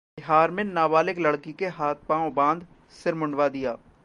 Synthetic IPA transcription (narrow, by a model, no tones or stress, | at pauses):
bɪɦaːɾmẽnaːbaːlɪklɐɽkikeɦaːt̪̚ʰpãːõbãːnd̪ | sɪɾmʊ̃ɳɖʋad̪ijaː